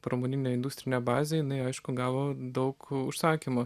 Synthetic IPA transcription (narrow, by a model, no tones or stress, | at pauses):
pɾomonʲiːnʲɛɪnd̪uːst̪ɾʲɪnʲɛbɑːzʲejɪnɐɪɐɪʃkʊɡɑːʋoːd̪ɐʊkʊʃsɑːkʲimo